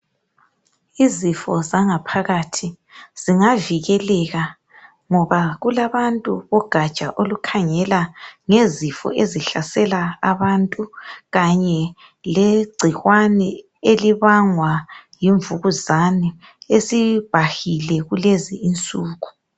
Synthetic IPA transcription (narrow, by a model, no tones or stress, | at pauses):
izifɔzaŋapʰaɣatʰi | z̥iŋaviɣɛlɛɣa | ŋɔβaɣulaβantʼṵβɔɡ̥ʱḁt͡ʃʼaʔolukʰaŋɛlaŋezifɔ̰ʔeziɬasɛlaaβantʼuɣaɲɛ | leɡ͡ǀʱiɣwanɛ | eliβaŋwajiɱvuɣuzanɛ | esib̥ʱahilɛɣuleziːnt͡sʼuːɣu̥